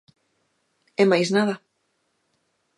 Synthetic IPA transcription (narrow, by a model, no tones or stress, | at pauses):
ɛmajsnaðɐ